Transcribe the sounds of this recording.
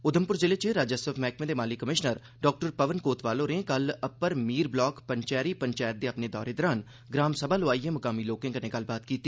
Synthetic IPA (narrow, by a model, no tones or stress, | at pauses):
ʊd̪əmpʊɾd͡ʒɪleːt͡ʃeɾaːd͡ʒəsəfʰmɛːkmẽːd̪eːmaːlikːəmɪʃnəɾ | ɖɔːk̚ʈəɾpəʋənkoːt̪ʋaːlõːɾẽkələpəɾmiːɾblɔːkpəɲt͡ʃɛːɾiːpəɲt͡ʃaːjət̪̚d̪eːapneːd̪ɔ̰ːɾeːd̪ɔːɾaːn | ɡɾaːmsəbʱaːlʊaːiːẽːməkaːmiːloːkɪ̃ːŋɡənẽːɡəlbaːt̪kiːt̪ːiː